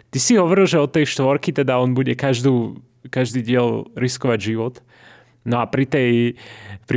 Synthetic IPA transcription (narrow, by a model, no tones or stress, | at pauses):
t̪isiɦɔʋɔɾilˠʒɛɔt̪ɛjʃt̪ʋɔɾkit̪ɛd̪aɔnbuɟɛkaʒd̪uː | kaʒd̪iːɟɪɛlɾiskɔʋaɟʒiʋɔt̪ | nɔapɾit̪ɛj | pɾi